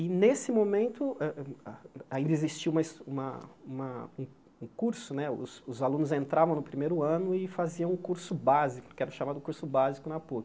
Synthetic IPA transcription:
ɪnesɪmomẽnt̪ʊɛ | aĩnd̪ɐezist͡ʃiũmɐsũmɐ̰ũmɐũ | ũkuɾsʊnɛʊ̰sʊzalũnʊzẽnt̪ɾavɐ̃w̃nʊpɾimejɾʊɐ̃nʊɪfaziɐ̃w̃ũkuɾsʊbazikʊ̥kɛɾɐ̃ʃamad̪ʊkuɾsʊbazikʊnapok

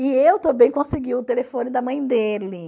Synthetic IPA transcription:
ɪewt̪ɐ̃bẽj̃kõsɪɡiʊt̪elefõnɪd̪ɐmɐ̃j̃d̪elɪ

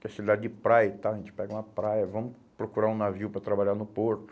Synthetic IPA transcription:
kɛsid̪ad͡ʒɪd͡ʒɪpɾajɐt̪aʒẽnt͡ʃɪ̥pɛɡɐũmɐpɾajɐvɐ̃mʊ | pɾokuɾaũnaviwpɾɐt̪ɾabaʎanʊpoɾt̪ʊ̥

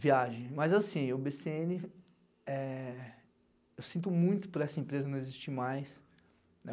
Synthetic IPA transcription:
viaʒẽj̃mɐzasĩʊbeseẽnɪ | ɛ | ewsĩnt̪ʊmũj̃t̪ʊpʊɾɐɛsɐẽpɾezɐnɐ̃w̃ezist͡ʃimajs | nɛ

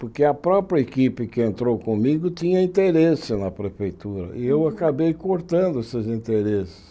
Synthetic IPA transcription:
poɾkeɐpɾɔpɾiɐekipɪkɪẽnt̪ɾowkõmiɡʊt̪ĩɲɐĩt̪eɾesɪnɐpɾefejt̪uɾɐ̰ɪewakabejkoɾt̪ɐ̃nd̪ʊesezĩt̪eɾesɪ̥s

